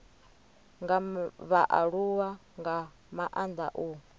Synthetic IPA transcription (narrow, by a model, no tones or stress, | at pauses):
ŋɡaβaʔaɺuwaŋɡa | maʔand̪a̰ʔuː